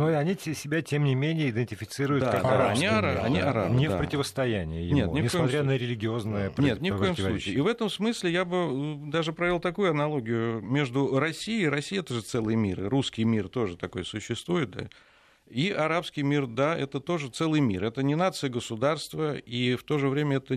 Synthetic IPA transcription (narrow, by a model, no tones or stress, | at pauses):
noɐnʲisʲɪbʲatʲemnʲɪmʲenʲɪjəɪd̪ʲɪnʲtʲɪfʲɪt̪sɨɾʊjtd̪aadaːnʲiɐɾaɐ̰nʲiɐɾa̰nʲɪfa̰pɾət̪ʲɪvəst̪ɐjænʲɪ̰jə̰jɪnʲetnʲɪfnʲɪskojɐɪmt̪ɾʲanəɾʲɪlʲɪɡʲɪo̞znəjəpnʲet̪nʲɪfkojɪmsˠut͡ɕɪːvɛt̪əmsmɨsʲlʲɪjabɨd̪aʐɨpɾɐvʲelˠt̪ɐkujʊɐnɐlˠo̞ɡʲɪjʊmʲe̞ʐd̪ʊɾɐsʲːijɪɾɐsʲijɛt̪əʐɨt̪sɛlˠɨjəmʲirɨruskʲɪjmʲirt̪o̞ʐɨt̪ɐko̞jsʊɕːɪst̪vujɪt̪̚d̪a̰ | iʔɐɾapskʲɪjmʲird̪aʔɛt̪ət̪o̞ʐɨt̪sɛlˠɨjmʲḭrɛt̪ənʲɪnat̪sɨjəɡəsʊd̪arst̪vəift̪o̞ʐɨvɾʲemʲəɛt̪ə